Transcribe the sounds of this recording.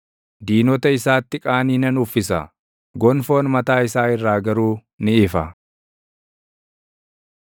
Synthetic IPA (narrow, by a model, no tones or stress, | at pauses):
d̪iːnɔt̪ɐɪsaːt̪ːɪkʼaːniːnɐnʊfːɪsɐ̰ | ɡɔnfoːnmɐt̪aːɪsaːɪrːaːɡɐɾuː | nɪɪfɐ